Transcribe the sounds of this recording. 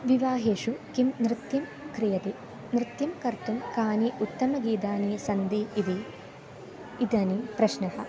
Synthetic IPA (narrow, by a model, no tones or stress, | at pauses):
ʋiʋaːɦeːʃukimnɾɪt̪jɐmkɾijɐt̪i | nɾɪt̪jɐmkɐɾt̪umkaːniʔut̪ːɐmɐɡiːd̪aːnisɐnd̪iiʋ̪i | d̪ɐnipɾɐʃnɐhɐ̆